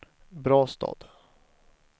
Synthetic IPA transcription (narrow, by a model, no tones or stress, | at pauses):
bɾɑːst̪ʰɑ̰ːd̪̥